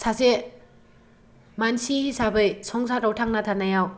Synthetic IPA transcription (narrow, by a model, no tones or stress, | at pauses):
saze | mansihisabɯjsɔŋsatɾawtʰaŋnatʰanajaw